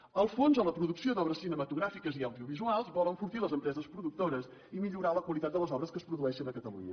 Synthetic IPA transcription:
əlˠfonzələpɾuðuksiod̪ɔβɾəsːinəmət̪uɣɾafikəziəwðiuβizualˠzβɔləɱfuɾt̪iləzəmpɾɛzəspɾuðuk̚t̪oɾəz | imiʎuɾaləkwəlˠit̪at̪̚d̪ələzɔβɾəskəspɾuðuɛʃənəkət̪əlṵɲə

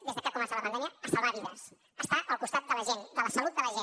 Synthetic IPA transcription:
d̪ezðəkɛkumɛnsələpəndɛmijəːsaβaβiðəs | əst̪aʔəlˠkust̪at̪̚d̪ələʒend̪ələsəlut̪̚d̪ələʒe

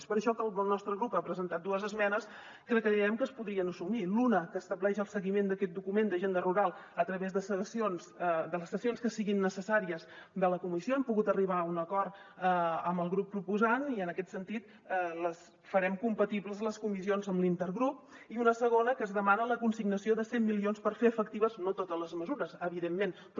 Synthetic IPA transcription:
spəɾəʃɔkəlˠəlˠnɔst̪ɾəɣɾupapɾəzənt̪at̪̚d̪uəzəzmɛnəs | kɾəkəðiɾɛmkəspuðɾiənəsumilunəkəːst̪əβlɛʃəlˠsəɣimend̪əkɛt̪̚d̪ukumend̪əʒend̪əruɾalˠət̪ɾəβezðəsəsionzd̪ələsːəsionskəsiɣinːəsəsaɾiəzd̪ələkumisioɛmpuɣut̪əriβ̞aunəkɔrt̪ | əmbəlˠɣɾupːɾupuzaniənəkɛt̪sənt̪it̪ | ləs | fəɾɛmkumpət̪ibləzləskumisionzəmlint̪əɾɣɾup̚iunəsəɣ̞onəkəːzðəmanələkunsiɡnəsioðəsemːilionspəɾfeəfək̚t̪iβəznot̪ot̪əzləzməzuɾəzəβiðemːen | p

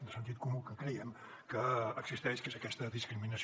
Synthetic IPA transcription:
nd̪əsənt̪̬it̪̚kumukəkɾɛjəm | kəːksist̪ɛʃkezəkɛst̪əðiskɾiminəs

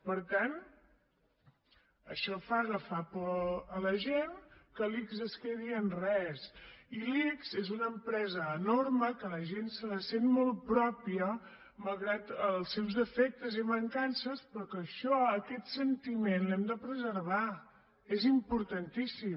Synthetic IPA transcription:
pəɾt̪an | əʃɔfaləfapoələʒenkəlikzəskeðiənrɛsilikz̥ezunəmpɾɛzəːnorməkələʒensələsenmɔlˠpɾɔpiə | məlˠɣɾat̪əlˠsːɛwzəfɛk̚t̪əziβəŋkansəspɾɔkəʃɔəkɛt̪sənt̪imenlɛmd̪əpɾəzəɾβ̞a | ezimpuɾt̪ənt̪isi

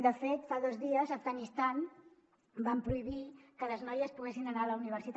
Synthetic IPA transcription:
d̪əfet̪faðɔzðiəzəvɣanist̪an | bampɾuiβikələznɔjəspuɣesinənaələuniβ̞əɾsit̪

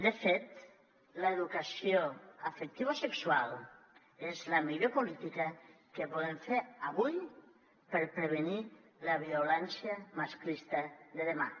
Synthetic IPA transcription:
d̪efet̪ | ləeðukasioafek̚t̪iβaosekswalˠ | ezlamiʎopolit̪ika | kepoðeɱfeɾaβuj | peɾpɾeβ̞enilaβ̞iolɛnsjamasklist̪aðeðema̰

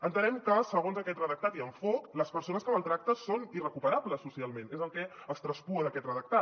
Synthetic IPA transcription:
ənt̪ənɛmkəsəɣonzəkɛt̪rəðək̚t̪at̪iəɱfɔkləspəɾsonəskəməlˠt̪ɾak̚t̪əsonirəkupəɾabləsːusialˠmẽnezəlˠkɛəst̪ɾəspuəðəkɛt̪rəðək̚t̪at̪

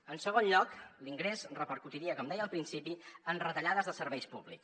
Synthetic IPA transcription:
ənsəɣonʎɔkliŋɡɾezrəpəɾkut̪iɾiəkɔmd̪ɛjəlˠpɾinsipiənrət̪əʎaðəzðəsəɾβɛjspuβlḭks

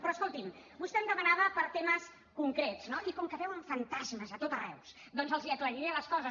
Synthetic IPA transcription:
pɾɔəskolˠt̪imbust̪ɛmd̪əmənaβəpəɾt̪eməs | kuŋkɾetznoʔikɔmkəβɛwəɱfənt̪azməzət̪ot̪ərɛ̰ws | d̪ɔnzəlˠziəkləɾiɾeələskɔzə

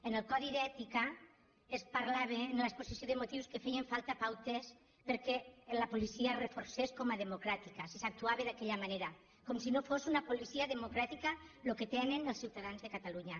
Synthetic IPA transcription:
enelˠkɔðiðɛt̪ika | espaɾlaβenlesposisjoðemot̪iwskefɛjeɱfalˠt̪apawt̪es | peɾkɛlapolisiarefoɾseskomaðemokɾat̪ikasesak̚t̪uaβeðakɛʎamaneɾa | komsinofosunapolisiaðemokɾat̪ikaloket̪enenelˠsiwt̪aðanzðekat̪aluɲa

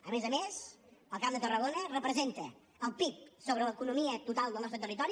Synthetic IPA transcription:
əmezəmesəlˠkamd̪ət̪ərəɣonərəpɾəzent̪ə | əlˠpip̚soβɾələkunumiət̪ut̪alˠd̪əlnɔst̪ɾət̪ərit̪ɔɾi

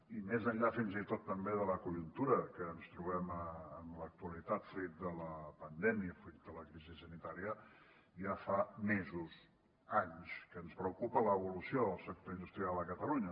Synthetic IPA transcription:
imezəʎafinzit̪ot̪ːəmbeðələkuʎunt̪uɾəkəːnst̪ɾuβɛməːnlək̚t̪uəlit̪at̪fuɾit̪̚d̪ələpənd̪ɛmiəfuɾit̪̚d̪ələkɾizisənit̪aɾiə | ʒafamezuz | aɲskəːnspɾəwkupələːβulusioðəlˠsək̚t̪oind̪ust̪ɾialˠd̪əkət̪əluɲə

